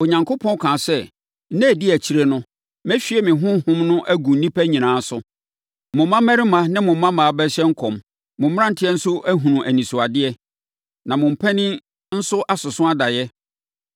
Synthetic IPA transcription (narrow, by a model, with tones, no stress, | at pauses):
o˨ɲã˨ŋkʰo˦pʰɔ̃˦n˦kʰã˨sɛ˦ | nɛ̃˦˨dɪ˦˨æ˨t͡ɕʰi˨˦ɾe˦˨nʊ̃˦ | m˦ɛ˦ɕᶣi˦ɛ˨mɪ̃˨ɦʊ̃˦hʊ̃˦mnʊ̃˦ʔæ˦ɡũ˨n̩˦nĩ˦pʰæ˦ɲĩ˨nãː˨˦sʊ˦ | mʊ̃˨m˦mã˦mæ˦ɾɪ˦mã˨˦nɪ̃˦mʊ̃˨˦mã˦mãː˨a˨bɛ˦ɕɛ̃˦ŋ̩˦kʰɔ̃˨m | mʊ̃˨m˦m˦ã˦n̩˨tʰɪ˦ɛ˦n̩˦sʊ˦ʔæ˦ɦũ˨nũ˨ʔæ˨nĩ˨sʊ˨a˨dɪ˦ɛ˦ | nã˨mʊ̃˨m̩˨pʰɛ˦nɪ̃˦ | n̩˦sʊ˦ʔa˦sʊ˨sʊ̃˦a˦da˨jɛ˦